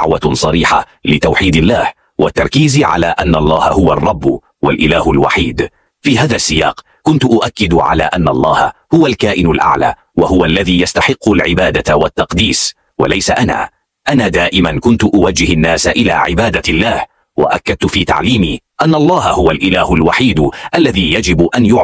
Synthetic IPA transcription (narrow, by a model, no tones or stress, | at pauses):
ʕwasˤɑɾiːħalɪt̪awħiːd̪ɪlːaːh | wat̪ːɑɾˤkiːziʕa̰laːʔanːɑlˤːɑːha̰hʊwarˤːɑbː | walʔɪlaːhʊlwa̰ħiːd̪ | fiːhaːðasːɪja̰ːq | kʊnt̪ʊʔʊʔakːɪd̪ʕa̰la̰ːʔanːalˤːɑːha̰hʊwalkaːʔɪnalʔa̰ʕla̰ː | wahʊwaʔlːaðiːjast̪aħɪqːʊlʕɪbaːd̪awat̪ːɑqd̪iːs | wa̰lajsaʔana̰ː | ʔanaːd̪aːʔɪmankʊnt̪ʊʔʊwad͡ʒːɪhanːaːsaʔɪla̰ːʕɪ̰baːd̪alːaːh | wa̰ʔakːad̪̚t̪ʊfiːt̪a̰ʕliːmiːʔanːʔɑlˤːɑːhahʊwalʔɪlaːhʊlwaħiːd̪ʔalːaðiːjad͡ʒɪbʔanjʊ